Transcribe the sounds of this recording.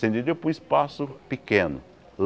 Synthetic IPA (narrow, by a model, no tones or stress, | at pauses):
sẽnd̪id̪epũispasʊpikẽnʊ̰ | l